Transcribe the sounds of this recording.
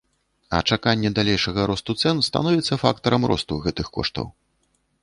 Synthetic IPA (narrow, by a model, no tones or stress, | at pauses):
ɐ̰t͡ʂakanʲːɛd̪alʲɛjʂɐɣɐɾɔst̪ut̪sɛnst̪a̰nɔvʲit̪sːɐfa̰kt̪ɐɾɐmɾɔ̰st̪uɣɛt̪ɨxkɔ̰ʂt̪ɐ̰w